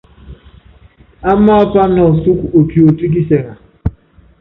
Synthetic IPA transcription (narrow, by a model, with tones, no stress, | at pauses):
a˦ma˦pa˦nɔ˨su˦ko˨pjo˨ti˦k̬i˦se˨ŋa˨